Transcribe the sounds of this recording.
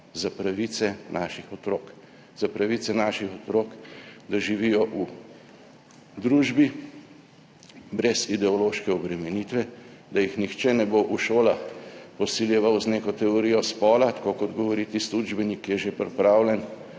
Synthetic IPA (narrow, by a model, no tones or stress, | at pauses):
zapɾaʋit̪sɛnʔaːʃixɔt̪ɾoːk | z̥apɾaʋiːt̪sɛnaʃixɔt̪ɾoːkd̪aʒiʋijɔʔu | d̪ɾuːʒbi | bɾɛzid̪ɛɔloːʃkɛɔbɾɛmɛnit̪ʋɛd̪ajixnixt͡ʃɛnɛboʔuʃoːlaxpɔsiljɛʋawzneːkɔt̪ɛɔɾiːjɔspɔːlat̪ḁkokɔd̪ɡɔʋɔɾit̪isud͡ʒbɛnikːjɛʒepɾɛpɾaːwlʲɛn